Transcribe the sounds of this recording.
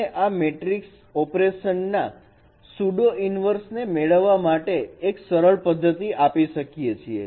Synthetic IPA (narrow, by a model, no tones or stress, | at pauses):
eʔameʈɾiks | ɔpɾeʃənːa | suɖoʔinʋəɾsnemeɭəʋːamaʈeːksəɾəɭpəd̪ʱːət̪iʔapiʃəkijet͡ʃʰiḛ